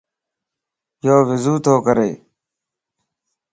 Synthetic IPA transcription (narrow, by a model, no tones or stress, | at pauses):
joːʋɪzuːt̪ʰoːkəɾḛː